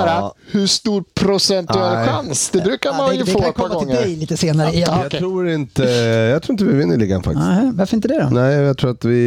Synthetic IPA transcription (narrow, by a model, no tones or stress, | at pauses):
ɾahɵʂt̪uːɾpʰɾʊsɛntɵɛlɧansd̪ɛbɾʉ̟ːkaɾmanjd̪fɛokːakʰɔːaɡɔɪŋːd̪ɛjliːt̪əseːnaɾəɪjɑɾuːɾɪnt̪əjɑːɡt̪ʰɾuːɪnt̪əvɪvɪnːəɭiːɡanfa̰kt̪ɪsvaɾfəɾɪnt̪əd̪ɛɾɔ̰nɛɪjat̪ʰɾuːɾat̪vɪ